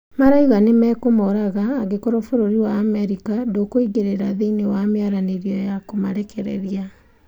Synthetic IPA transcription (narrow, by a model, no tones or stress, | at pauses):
maɾaiɣanemɛːkomɔɾaɣaːɣekɔɾɔfoɾoɾiwaːmɛɾikadokoiɡeɾeɾaðeinewamjaɾaneɾjɔjakomaɾɛkʰɛɾɛ̰ɾia